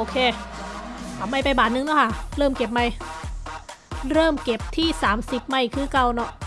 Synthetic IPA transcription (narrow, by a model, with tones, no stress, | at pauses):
ʔoː˧kʰeː˧ | t̪ʰa˨˩mːa˧˩jpa˧jbaː˨˩t̪̚nɯ˧ŋnɔ˦˥˩kʰa˥˩ɾɤː˥˩mke˨˩p̚ma˧j | ɾɤː˥˩mke˨˩p̚t̪ʰiː˥˩saː˩˦msi˨˩p̚ma˧˩jkʰɯː˧˥˩ka˧wnɔ˦˥ʔ